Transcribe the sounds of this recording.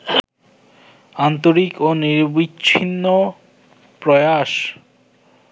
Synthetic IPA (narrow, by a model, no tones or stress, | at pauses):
ant̪oɾikoniɾbiɕʰinːo | pɾɔjaʃ